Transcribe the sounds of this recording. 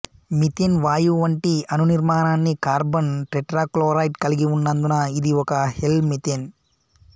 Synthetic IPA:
mit̪enʋaːjuʋɐɳʈiɐnuniɾmaːnaːnːikaːɾbɐnʈɾeʈɾaːkloːɾɐjʈkɐliɡiunːɐnd̪unɐid̪iɔkɐhelmit̪en

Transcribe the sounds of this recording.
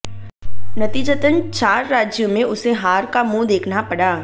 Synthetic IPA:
nɐt̪iːd͡ʒət̪ənt͡ʃaːɾːaːd͡ʒjomẽʊseɦaːɾkamũd̪eːkʰnapɐɽaː

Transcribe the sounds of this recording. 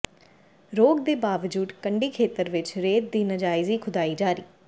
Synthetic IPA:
ɾoːɡd̪eːbaːʋd͡ʒuːd̪kəɳɖiːkʰeːt̪əɾʋɪt͡ʃɾeːt̪̚d̪iːnəd͡ʒaːɪziːkʰʊd̪aːiːd͡ʒaːɾḭː

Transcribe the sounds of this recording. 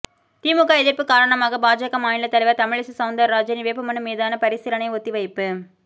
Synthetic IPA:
t̪iːmɯɣaːɛðɪrpɯkaːɾɐɳɐmaːɣɐbaːd͡ʒɐkɐmaːjɪlɐt̪ɐlɐɪʋɐɾt̪ɐmɪɭɪsɯsɐʊnd̪ɐɾɾaːd͡ʒɐniʋeːpːɯmɐnɯmeːðaːnɐpɐɾɪsɪɾɐnɐɪɔt̪ːiʋɐɪpːɯ

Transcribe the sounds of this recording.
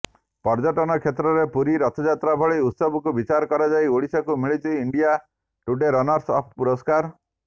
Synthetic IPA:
pɔɾd͡ʒɔʈɔnɔkʰet̪ɾɔɾepuɾiɾɔt̪ʰɔd͡ʒat̪ɾabʱɔɭiut̪sɔbɔkubit͡ʃaɾɔkɔɾad͡ʒajoɭisɔkumiɭit͡ʃʰiːɳɖija | ʈuɖeɾɔnɔɾsɔpʰpuɾɔskaɾ

